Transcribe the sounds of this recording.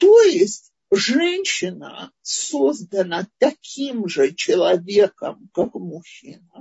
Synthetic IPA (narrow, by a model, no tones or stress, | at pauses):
t̪ojɪsʲtʲ | ʐɛnʲɕɪnə̰sozd̪ənət̪ɐkʲʰimʐɨt͡ɕɪlˠɐvʲekə̰mkakmʊxʲḭnə